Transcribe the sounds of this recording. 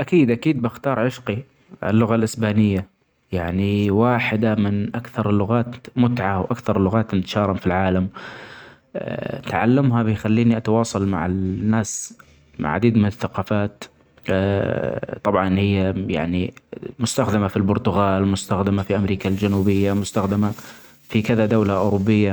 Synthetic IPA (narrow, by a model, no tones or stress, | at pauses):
ʔakiːd̪ʔakiːd̪̚bɪxt̪ɑːɾˤʕɪʃqi | ɪ̰lːʊɣalʔɪsbaːnɪjːa | jaʕniwaːħɪd̪amɪnʔakθɑɾˤɪlːʊɣaːt̪mʊt̪ʕawʔakθɑɾˤlːʊɣaːt̪nt̪ḁʃɑːɾˤɑmfilʕaːlam | nt̪ʕa̰lːamɦabɪjxalːiːniʔat̪ɑwɑːsˤɑlma̰ʕɪnːaːs | ma̰ʕa̰d̪iːd̪mɪnɪθːaqɑːfaːt̪ː | t̪ˤɑbʕɑnhɪjːaja̰ʕnimʊst̪axd̪amafilbʊɾt̪ʊɣaːlmʊst̪axd̪amafiʔamɾiːkald͡ʒanuːbɪjːamʊst̪axd̪ama | fikɪðad̪awlaʔʊːɾʊbːɪjːa